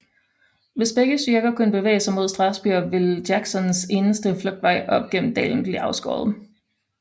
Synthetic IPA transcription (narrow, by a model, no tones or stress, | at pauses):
ʋe̝sb̥eɡ̥əsd̥yɐɡ̥ɐkʰunəb̥e̝ʋḛːɪsɑ̈ɪmo̝ð̞̰ˠsd̥ʁɑ̈sb̥yɐ̰ʋe̝ldæɡ̥sɒ̽nse̝ːnəsd̥əfløɡ̥̚d̥ʋɑ̈ɪ̰ʔɒ̽b̥ɡ̥en̰m̩d̥ɛ̰ːln̩b̥liɑ̈ʊsɡ̥ɒ̰ːðˠ